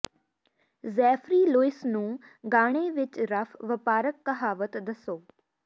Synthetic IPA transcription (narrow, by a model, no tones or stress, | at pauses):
zɛːfʰɾiːloːɪsnũː | ɡaːɽ̃eːʋɪt͡ʃɾəpʰʋəpaːɾəkːəɦaːʋət̪d̪əsoː